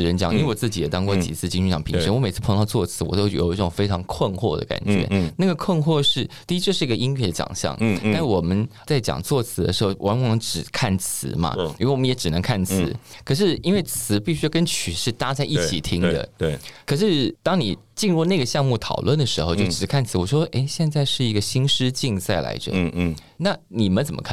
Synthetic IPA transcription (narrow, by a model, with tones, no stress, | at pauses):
ɻə˧˥nt͡ɕjɑ˧˩ŋni˧˥wɔ˨˩t͡sɹ̩˥˩t͡ɕi˧˥jɛ˨˩t̪ɑ˥ŋkwɔ˥˩t͡ɕḭ˨˩t͡sʰɹ̩˥˩t͡ɕi˥nu˧˥˩jɑ˨˩ŋpʰi˧˥ŋʂə˥nwɔ˥me˨˩t͡s̩ʰ˥˩pʰɤ˧˥ŋt̪o˧ʊt͡sʰwɔ˥˩t͡sʰɹ̩˧˥wɔ̰˨˩t̪o˥ʊjjo̰˨˩i˥˩ʈ͡ʂo˨˩ŋfe˥ɪʈ͡ʂʰɑ˧˥ŋkʰwə˥˧nxwɔ̰˥˩d̪ə̰˩ka̰˨˩nt͡ɕɥɛ̰˧˦˥na˥˩ɡə˩kʰwə˥˧nxwɔ˥˧ʂɻ̩˥˩t̪i˥˧˥t͡ɕjo˥˧ʊʂɻ̩˥˩˧ɡə˧i˥nɥɛ˥˩d̪ə˩t͡ɕjɑ̰˨˩ŋɕjɑ̰˥˩ŋt̪a˥˧nʂwɔ˨˩mə˦nt͡sa˥˩ɪt͡ɕjɑ̰˨˩ŋt͡swɔ˥˩t͡sʰɹ̩˧˥d̪ə̰˧ʂɻ̩˧˥xo˥˩wʔa˧˥nwnɤ˧˥ŋʈ͡ʂɻ̩˨˩kʰa˥˩nt͡sʰɹ̩˧˦mɐ̰˧i˧˥˩wɔ˨mə˦jɛ˧˥ʈ͡ʂɻ̩˨˩nə˧˥ŋkʰa˥˩nt͡sʰɹ̩˧˥˦kʰɤ˨˩ʂ̬ɻ̩˥˩i˥nwe˥˩ɪt͡sʰɹ̩˧˥pi˥˩ɕy˥jɑ˥˩ʊkə˥nt͡ɕʰy˨˩ʂɻ̩˥˩t̪a˥t͡sa˥˧ɪʔi˥t͡ɕʰi˨˩t̪ʰi˥ŋd̪ə̰˨wkʰɤ˨˩ʂɻ̩˥˧t̪ɑ˥ŋni˨˩ | t͡ɕi˥˧nɻu˥˧na˥˩ɡə˩ɕjɑ˥˧ŋmu˥˩t̪ʰɑ˨˩ʊlwə˥˩nd̪ə˩ʂɻ̩˧˥xo˥˧ʊt͡ɕjo˥˩ʊʈ͡ʂɻ̩˨˩˥kʰa˥˩nt͡sʰɹ̩˧˥wɔ˨˩ʂwɔ˥ʔe˥ɪɕjɛ˥˧nt͡sa˥˧ɪʂɻ̩˥˩i˧˥ɡə˧ɕi˥nʂɻ̩˥t͡ɕi˥˧ŋt͡sa˥˩ɪla̰˧˥ɪʈ͡ʂə̰˥˧ | na˥˩ni˨˩mə˦nt͡sə˨˩mʔə˦kʰ